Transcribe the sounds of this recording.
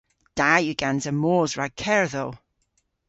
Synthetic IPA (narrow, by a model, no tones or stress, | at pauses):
d̥ajʉɡ̥anzəmoːzɹaɡ̚kʰɛɹðow